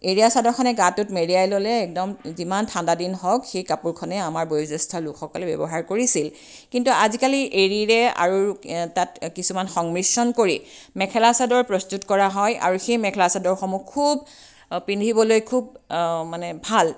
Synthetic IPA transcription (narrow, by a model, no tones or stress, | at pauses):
eɹijasadɔɹkʰɔnɛɡatutmeɹiajlolɛːk̚dɔmzimantʰandadinɦɔkxejkapuɹkʰɔnɛamaɹbojzɛstʰɔlukʰxɔkɔlɛbɛ̰bɔɦaɹkoɹisil | kintuazikaliʔeɹiɹɛa̰ɹutatkisumanxɔŋmɹisɔnkoɹi | mɛkʰɛlasadɔɹpɹɔstutkɔɹaɦɔjʔa̰ɹuxejmɛkʰlasadɔɹxɔmuk̚kʰːub | pindʱibɔlojkʰub̚manɛbʱal